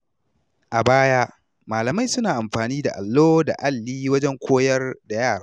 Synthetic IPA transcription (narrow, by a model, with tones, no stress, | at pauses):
ʔa˨baː˦ja˦ʔ | maː˨lɐ˨ma˦jsʊ˦naː˨ʔa˨mɸaː˨niː˦da̰˨ʔa̰˨lːoː˦da̰˨ʔa˦lːiː˦wɐ˦d͡ʒɛ˦ŋkʷoː˦jɐ˦rda˨jaː˦˨ɽaː˦